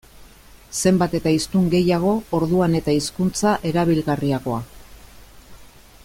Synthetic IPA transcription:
se̞mbat̪e̞t̪aist̪uŋɡe̞jaɣ̞o̞oɾðuane̞t̪aiskunt͡saʔe̞ɾaβ̞ilɣariaɣo̞a

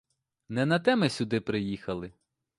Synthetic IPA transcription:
nɛnɐt̪ɛmɪsʲʊd̪ɪpɾɪjixɐlˠɪ

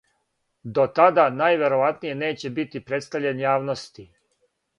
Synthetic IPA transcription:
d̪o̞t̪ad̪anajʋe̞ɾoʋat̪nije̞ne̞ːt͡ɕebit̪ipɾe̞t̪st̪aʋʎenjaːʋnost̪i

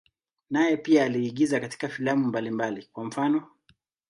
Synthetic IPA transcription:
najɛpiaːliːɠizakati̥kafilamumbalimbalikwam̩fanɔ

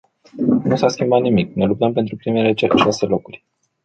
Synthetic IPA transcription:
nusaskʲimbat̪nimiknelup̚t̪əmp̬ent̪ɾupɾime̞leʃase̞lo̞kurʲ

